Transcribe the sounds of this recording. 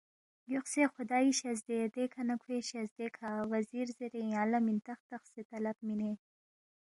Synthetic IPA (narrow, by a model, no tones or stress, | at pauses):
juxsexʊd̪ɑːiɕɐzd̪ed̪ekʰanɐkʰweɕɐzd̪ekʰawɐziːɾzeɾej̃aːlɐmint̪ɐxt̪ɐxset̪ɐlɐbmine